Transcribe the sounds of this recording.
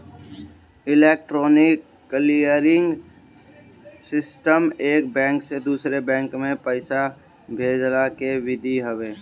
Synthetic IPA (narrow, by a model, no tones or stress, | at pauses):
ɪleːk̚ʈɾoːnɪkːlijəɾɪ̃ŋɡ | sɪsʈəmeːkbɛ̃ːŋksed̪uːsɾebɛ̃ːŋkmẽpəɪsa | bʱeːd͡ʒlakeʋɪd̪ʱiɦəʋeː